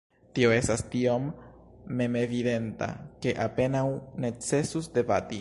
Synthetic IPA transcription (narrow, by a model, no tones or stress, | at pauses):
tio̞e̞stastio̞mː | e̞me̞vide̞nta̰ke̞ʔape̞nawne̞t͡se̞susde̞bati